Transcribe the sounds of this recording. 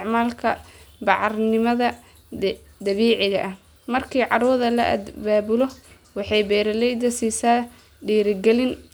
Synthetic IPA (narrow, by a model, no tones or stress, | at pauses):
ʕmaːlkʰɐbɑʕɑrnɪmɐðɐ | d̪ɐβiːʕɪɣɐʔɐh | mɐrkʰiːʕɑɾuːðɐlɐʔɐ̰d̪baːbʊlɔ | wɑħɑjbɛːɾɐlɛjd̪ɐsiːsaː | ɖiːɾɪɡɛlɪn